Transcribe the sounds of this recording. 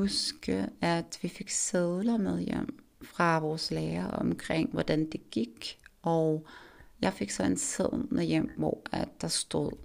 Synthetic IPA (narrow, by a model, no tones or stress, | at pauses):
usɡ̥əæd̥ʋife̝ɡ̥seðˠlɐmeð̞ˠjḛm̰ | fʁɑ̈ʋɒːsleːɐʔɒmkʰʁeŋ̰ʋɒd̥ænd̥e̝ɡ̥iɡ̥ɒʊjɑ̈ɪfe̝ɡ̥sɒ̽enseð̰ˠmeðˠjem̰ʋɒ̰æd̥ːɑ̈sd̥o̝ð̰ˠ